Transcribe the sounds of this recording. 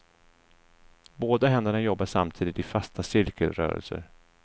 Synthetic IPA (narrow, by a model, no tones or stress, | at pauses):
boːd̪aɦɛnd̪əɳajɔbːaʂa̰mt̪ʰiːd̪ɪt̪ɪfast̪ʰasɪɾkəlɾœ̰ːɾə̰lsə̰ɾ